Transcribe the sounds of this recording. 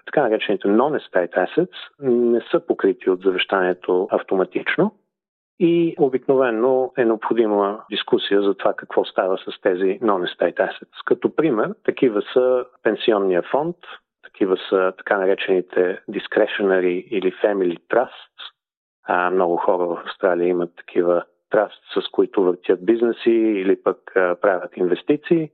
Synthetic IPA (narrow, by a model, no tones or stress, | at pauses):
t̪ɐ̥kanɐɾɛt͡ʃɛnit̪ɛnɔnɛst̪ajt̪ɛsɛt̪snɛsəpokɾit̪ʰiod̪zɐvɛʃt̪aniɛt̪ʰoɐft̪omɐt̪it͡ʃno | iobiknovɛnːoɛnɛopxod̪iməd̪iskusijəzɐt̪ovakɐkvɔst̪avəsɐst̪ɛzinɔnɛst̪ajt̪ɛsɛ̥t̪skɐt̪opɾimɛɾt̪ɐkivəsəpɛnsiɔnːijəfɔnt̪ː | ɐ̥kʰivəsət̪ɐ̥kanɐɾɛt͡ʃɛnit̪ʰɛd̪iskɾɛʃonɛɾiːlifɛmilʲit̪ɾast̪s | mnɔɡʊxɔɾəvəfɐfst̪ɾalijəimət̪ːɐ̥kʰivə | t̪ɾast̪ssɐskoit̪ʊvəɾt̪ʲjət̪̚biznɛsiːlipəkpɾavʲət̪invɛst̪it̪siː